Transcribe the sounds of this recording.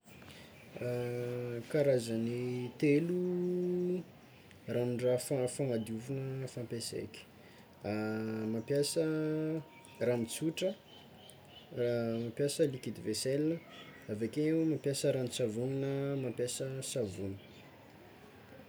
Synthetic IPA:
kaɾazənit̪elu | ranuɳɖ͡ʐafafaŋad̪iuvunəfampesḛkʲi̥ | amampjasə | ramit͡suʈ͡ʂə | amapjasəlikid̪iveselinəavekeemampjasəɾanit͡savuninəmampjasəsavunə̥

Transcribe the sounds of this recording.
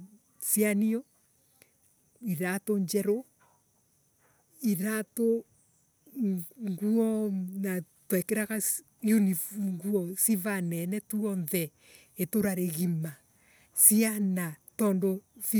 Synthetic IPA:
sianiɔ | iɾatoɲd͡ʒɛɾo | iɾato | ŋɡuɔnatwɛkeɾaɣas | unifŋɡuɔsivanɛnɛtuɔnðɛ | etoɾaɾeɣima | sianatɔndoθi

